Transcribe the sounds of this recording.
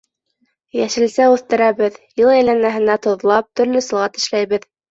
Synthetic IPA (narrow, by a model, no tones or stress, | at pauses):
jæʃɘ̆lsæʉθt̪ɘ̆ɾæβɘðjɤlˠæjlænmæɦɘ̆næt̪ŏðlˠɑp̚t̪ɵ̆ɾlɵsɤ̆lˠʁɑt̪ɘ̆ʃlæjβɘð